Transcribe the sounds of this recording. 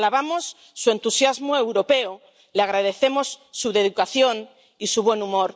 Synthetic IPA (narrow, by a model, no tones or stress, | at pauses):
laβamo̞sː | ue̞nt̪usjazmoewɾo̞pe̞o | leaɣ̞ɾað̞e̞θe̞mo̞sːuðe̞ðukaθjo̞n | isuβ̞we̞numoɾ